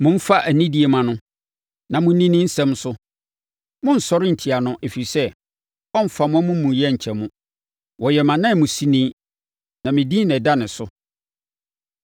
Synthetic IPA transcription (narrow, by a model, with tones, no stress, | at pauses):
mʊ̃˦m̩˦fa˦ʔæ˨nĩ˦di˨e˨mã˨nʊ̃˦ | nã˨mʊ̃˦nĩ˦nĩ˦n̩˦sɛ̃˦msʊ˦ | mʊ̃˦n̩˨sɔ˦ɾɪ˦n̩˨tʰi˨a˨nʊ̃˦ʔe˨fi˨i˨sɛ˦ | ɔ˦m̩˦fa˨mʊ̃˦mʊ̃˦mũ˨jɛ˦ɲ̩˨t͡ɕʰɛ˨mũ˦ | wɔ˨jɛ˨mã˨nã˦˨mʊ̃˨si˦nĩ˦ | nã˨mɪ̃˨dĩ˦nɛ̃˨da˦nɪ̃˨sʊ˦